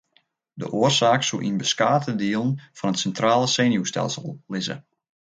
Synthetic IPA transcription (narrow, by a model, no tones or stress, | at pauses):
də̰ʔoːərsaːksuʔḭnbəskaːtʰədiəlˠnfɔnətsɛntraːləseːnjustɛ̰lˠsəlˠːɪzə̰